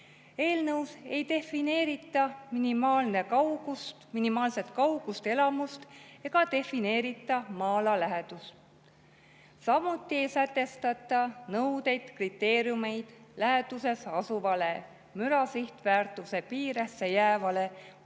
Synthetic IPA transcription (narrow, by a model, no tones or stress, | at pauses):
e̞ːlnɤwse̞jt̪e̞fineːɾit̪ːˑɑminimɑːlne̞kɑwɡust̪minimɑːlse̞t̪kɑwɡ̥ust̪e̞lɑmust̪e̞ɡ̥ɑt̪e̞fine̞ːɾit̪ːˑɑmɑːlɑlæɦed̪̥ust̪ | sɑmut̪ːˑie̞jsæt̪ːˑe̞st̪ɑt̪ːˑɑnɤwd̪e̞jd̪̥krit̪ːˑe̞ːɾjume̞jd̪̥læɦe̞d̪use̞sɑsuvɑle̞ | myɾɑsiht̪væːrt̪ːˑuse̞piːɾesːejæːvɑle̞